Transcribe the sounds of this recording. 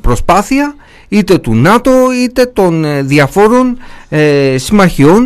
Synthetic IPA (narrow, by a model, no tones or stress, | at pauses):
pɾo̞spɐθiɐ | it̪e̞t̪unɐt̪o̞it̪e̞t̪o̞nðjɐfo̞ɾo̞n | simɐçio̞n